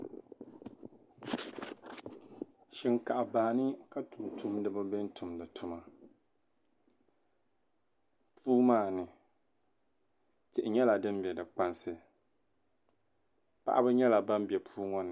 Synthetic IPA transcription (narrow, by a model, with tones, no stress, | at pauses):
ʃɪ˨ŋka˨ʔa˨ba˨nɨ˦ka˦tʰu˨tu˦mdɨ˦bɨ˦bɪ˦n˦tu˨mdɨ˨tʰʊ˦ma˨ | pʰuː˦maː˦˨nɨ˨ | tɪ˨ʔɪ˨ɲɛ˦la˨dɨ˦m˦bjɛ˨dɨ˨k͡pa˦nsɨ˨ | pa̰˦ʔa˦bɨ˦ɲɛ˦la˨ba˦m˦bɛ˨pʰuː˦ŋɔ˦nɨ˨